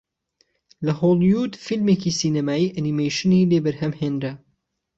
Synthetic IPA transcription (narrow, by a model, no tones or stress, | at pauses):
lɐholˠjud̪filmeːkisiːnɐmaːiːʔɐnimejʃɨnileːbɐɾhɐmheːnɾɐ